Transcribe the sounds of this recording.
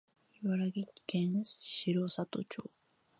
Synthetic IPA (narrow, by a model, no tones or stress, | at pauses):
iβaɾaɡʲikẽnsɕiɾosat̪o̰t͡ɕo̰ː